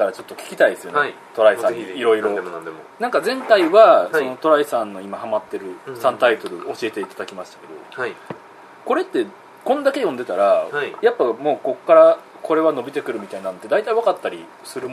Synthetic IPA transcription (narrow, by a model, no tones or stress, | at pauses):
k̪aɾat͡ɕo̞t̪ːo̞kʲi̥kʲi̥t̪aid̪esɨjonait̪o̞ɾaisãɲːiiɾo̞iɾɾo̞nãŋkazẽ̞nt̪aiβasono̞t̪o̞ɾaisãnːo̞imahamat̪ːe̞ɾɯ̟sãnt̪ait̪o̞ɾɯ̟o̞ɕie̞t̪e̞it̪ad̪akʲimaɕi̥t̪ḁke̞d̪o̞̰a | ko̞ɾe̞t̪ːe̞ | kõ̞nd̪ake̞jõ̞nd̪e̞t̪aɾajapːamo̞ːko̞kːaɾa | kʰo̞ɾe̞βano̞bʲit̪e̞kɯ̟ɾɯ̟mʲit̪ainãnot̪ːe̞d̪ait̪aiβakat̪ːaɾʲi | sɨɾɯ̟m